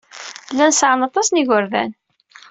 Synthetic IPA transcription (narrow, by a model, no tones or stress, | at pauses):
lːænsʕənɑt̪ˤɑsˤniʝəɾðæ̰n